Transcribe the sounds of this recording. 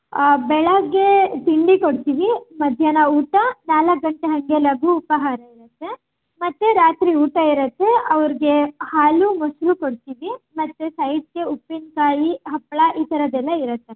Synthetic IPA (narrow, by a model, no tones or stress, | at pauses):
bɛɭɐɡːet̪iɳɖikoɽt̪iːʋimɐd̪ʱjɐnɐuːʈɐnaːlɐk̚ɡɐɳʈeɦɐŋɡelɐɡuːpɐɦaːɾɐiɾɐt̪ːe̞ | mɐt̪ːeɾaːt̪ɾiuːʈɐiɾɐt̪ːeɐʋɐɾiɡe̞haːlumosɾukoɽt̪iːʋimɐt̪ːesɐjʈ̚keupːinkaːjiɦɐpːɐɭɐʔiːt̪ɐɾɐd̪ɛlːɐiɾɐt̪ːe